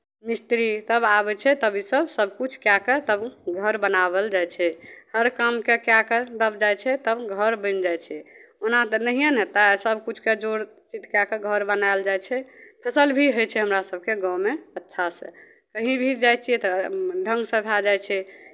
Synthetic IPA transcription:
mist̪ɾit̪əbabɛt͡ʃʰɛt̪əbisəbsəbʱkut͡ʃʰkjakət̪əbɡʱəɾbənabəld͡ʒajt͡ʃʰɛhəɾkamkekjaked̪əbd͡ʒajt͡ʃʰɛt̪əbɡʱəɾbə̃nd͡ʒajt͡ʃʰiɛonat̪ənəɦijənet̪asəbʱkut͡ʃʰked͡ʒoɾ | t͡ʃit̪kjakeɡʱəɾbənaeld͡ʒajt͡ʃʰɛpʰəsəlbʱiɦojt͡ʃʰɛɦəmɾasəb̚ʱkeɡɔ̃wmeətːʃʰasə̰ | kəɦĩbʱid͡ʒajt͡ʃʰiɛt̪ɔɖʱə̃ŋɡsəpʰad͡ʒajt͡ʃʰɛ

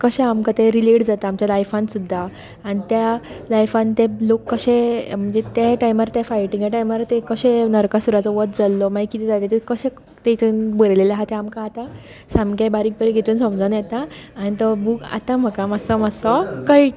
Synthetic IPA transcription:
kəɕẽamkat̪eɾileʈd͡zat̪aːmt͡ɕjalajfãnsud̪ʱːaː | nit̪jalajfãnt̪elokːəɕẽm̤əɳd͡zet̪jaʈajmaɾt̪jafajʈĩŋɡjaʈajmaɾt̪ekəɕẽnəɾkasuɾat͡sɔʋət̪̚d͡zalːɔmajkit̪ʰid͡zat̪et̪ekəɕẽ | t̪eit̪ʰunbəɾlelaɦat̪ɛamkaːt̪a | samkabaɾiːk̚pəɾeɡʱet̪uːnsɔ̃md͡zanjɛt̪aːñit̪ɔbuka̰t̪ãm̤əkamasɔməsɔkai

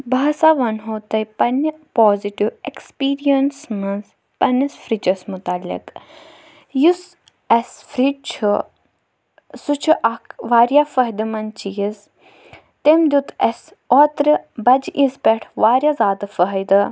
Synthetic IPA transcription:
baːsaːʋɐnɦoːt̪ɐjpɐnpoːziʈiʋekspiːɾijɐnsmɐnz | pɐnɐsfɾit͡ʃɐsmʊt̪alːḭk | jus | ɐsfɾiʈ̚t͡ʃʰu | sut͡ʃʰuʔɐkʰʋaːɾjafəɦid̪ɨmɐnt͡ʃijiz | t̪emd̪ʲut̪ɐs | ɔːt̪ɾɨbɐd͡ʒʔispɛʈʰʋaːɾjazaːd̪ɨfəɦjd̪ɨ

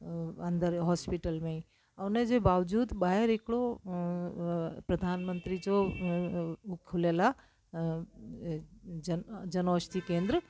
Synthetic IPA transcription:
and̪əɾɦɔspiʈəlme | awned͡ʒebawd͡ʒud̪baɦeɾekɽo | pɾəd̪ʱanmənt̪ɾid͡ʒo | kʰulela | d͡ʒənɔst̪ʰikẽnd̪ɾə

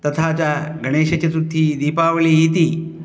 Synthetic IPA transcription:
t̪ɐt̪ʰat͡ɕaɡɐɽ̃eːɕet͡ɕɐsut̪ʰːiːd̪iːpaːʋliːjit̪iː

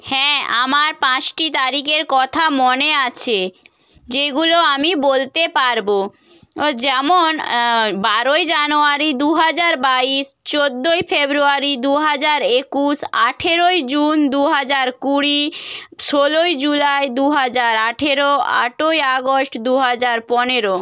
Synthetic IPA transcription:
hɛ̃a̰maɾpãt͡ɕʈit̪aɾikeɾkɔt̪ʰamoneat͡ɕʰe | d͡ʑeɡuloamibolt̪epaɾbo | d͡ʑɛmonbaɾojd͡ʑanoaɾid̪uɦad͡ʑaɾbaiʃt͡ɕod̪ːojfebɾuaɾid̪uɦad͡ʑaɾekuʃaʈʰeɾojd͡ʑund̪uɦad͡ʑaɾkuɾiʃolojd͡ʑulaed̪uɦad͡ʑaɾaʈʰeɾoa̰ʈojaɡosʈd̪uɦad͡ʑaɾpɔneɾo

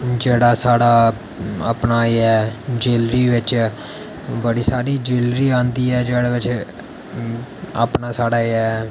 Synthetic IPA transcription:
d͡ʒeːɽaːsaːɽaː | ə̰pnaːɛːd͡ʒeːlɾiːʋɪt͡ʃ | bəɽiːsaːɾiːd͡ʒeːlɾiːãːnd̪iːɛːd͡ʒeːɽaːʋɪt͡ʃ | a̰ːpnaːsaːɽaːɛː

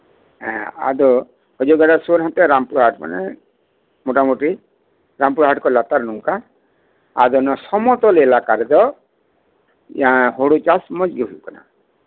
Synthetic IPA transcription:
ɦɛ̃a̰d̪ɔ | hɔd͡ʒɔɡaɽasoɾɦãt̪ɛɾampuɾuɦaʈma̰nɛ | moʈamoʈɾi | ɾampuɾuɦaʈkɔlat̪aɾnuŋka | ad̪ɔnɔsɔmɔt̪ɔlelakaɾɛd̪ɔ | aɦoɽut͡ʃasmɔd͡ʒɡɔɦujkɔna̰

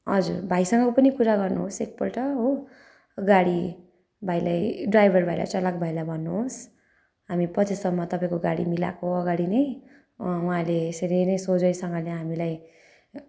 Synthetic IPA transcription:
ɦʌd͡zurbʱajsʌŋɡʌpʌnikuɾaɡʌrnuɦosek̚pʌlʈʌɦo | ɡaɽi | bʱajlajɖrajbʱʌrbʱajla̰t͡sʌlakobʱajlabʱʌnːuɦos | ɦamipʌt͡sʰisʌbmʌt̪ʌpãĩkoɡaɽḭmila̰koʌɡaɽinʌj | uɦãleseɾejnʌjsod͡zʌjsʌŋɡʌleɦamilaj

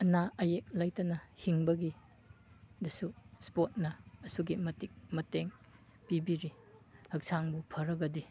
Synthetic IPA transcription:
ɐnaɐjek̚lajtɐnɐhiŋbɐɡi | dɐsuspot̚nɐːsuɡimɐtik̚mɐteŋ | pibiɾi | hɐk̚saŋbupʰɐɾɐɡɐdi

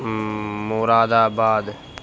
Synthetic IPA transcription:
moːɾaːd̪aːbaːd̪

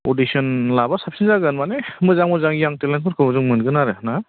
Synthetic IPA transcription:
odisɔnlabasapsinzaɡɯnmanemɯzaŋmɯzaŋjaŋtelankʰɯɾkʰɯbɔzuŋmɯnɡɯnaɾɯna

